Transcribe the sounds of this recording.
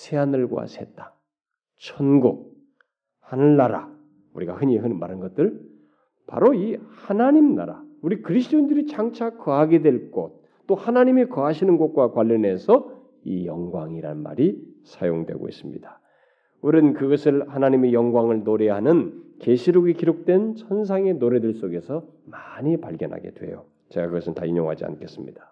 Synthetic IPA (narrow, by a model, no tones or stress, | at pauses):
sʰeanɯɭɡwa̰sʰe̞t̚t͈ḁ | t͡ɕʰʌnɡok̚ | hanɯɭnaɾa̰ | uɾiɡa̰hɯɲeɦɯnɯnma̰ɾɯnɡʌt̚t͈ɯɭ | pa̰ɾoihanaɲimna̰ɾa̰uɾikɯɾis̬ʰɯ̥t͈oindɯɾit͡ɕaŋt͡ɕʰakʌɦaɡe̞dwe̞ɭk͈ot͈̚ohanaɲimekʌɦaɕʰinɯnɡot̚k͈wakwaʎːʌne̞sʰʌ | ijʌ̰ŋɡwaŋiɾa̰nnma̰ɾi | sʰajoŋdwe̞̰ɡo̰ḭs͈ɯmɲḭd̥ḁ | uɾɯnkɯɡʌsʰɯɭhanaɲimejʌŋɡwaŋɯɭnoɾe̞ɦanɯnkeɕʰiɾoɡikiɾok̚t͈we̞nsʰʌns̬ʰaŋe̞noɾe̞dɯɭs͈oɡe̞sʰʌ | maɲipa̰ɭɡjʌnɦa̰ɡe̞̰dwe̞̰jo̰ | t͡ɕeɡakɯɡʌsʰɯntaiɲoŋɦa̰d͡ʑia̰nkʰe̞s͈ɯmɲid̥ḁ